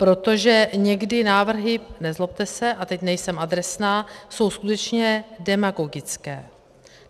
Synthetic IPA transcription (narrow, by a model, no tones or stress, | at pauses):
pɾo̞t̪o̞ʒɛɲɛɡdɪnaːvr̩ɦɪnɛzlop̚t̪ɛsɛʔat̪ɛcnɛjsɛmad̪ɾɛsnaːso̞wskut̪ɛt͡ʃɲɛdɛmaɡo̞ɡɪt͡skɛː